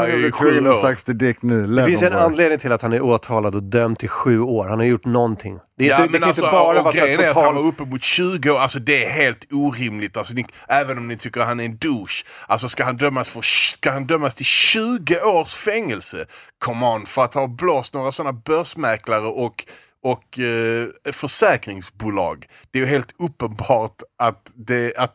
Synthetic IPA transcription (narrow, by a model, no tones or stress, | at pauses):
kʰɵənaak̚t̪sd̪ɛd̪ɛk̪̚nʉlɛfɪnssɛnanleːd̪nɪŋt̪ʰɪlat̪hanæɾoːt̪ʰɑːlad̪ɔd̪œmt̪ʰːɪlɧʉ̟ːoːɾhanhaɾjʊʈːnɔnt̪ʰɪ̰ŋd̪̥ɛamɛɛnalsɔɾaɡɾjənæɾat̪hanvaɾɵpːəmʊt̪ɕʉ̟ːɡəoːalsɔd̪ɛæɾɦeːlt̪uːɾɪmlɪt̪alsɔnɪʔæːvənɔmnɪt̪ʰʏkːəɾt̪hanæɾɛnd̪ʉːʂʔals̬ɔskahand̪œmːasfœskahand̪œmːast̪ʰɪlɕʉ̟ːɡəʔoːʂfɛŋːəlsəkʰɔmɑnfœɾat̪hɑːbloːst̪noːɾasɔnːabœʂmæklaɾəʔɔk | ɔk | fœʂɛːkɾɪŋsbuːlɑ̰ːɡ | d̪̥ɛæɾjɵɦeːlt̪ɵpːənbɑːɾtat̪d̪ɛat̪